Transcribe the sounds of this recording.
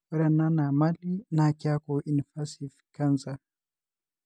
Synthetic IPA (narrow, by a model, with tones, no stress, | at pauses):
ɾa˨na˦na˨ma˦li˦nakia˦kɔ˨ʔi˨nfa˦si˨fka˦nza˨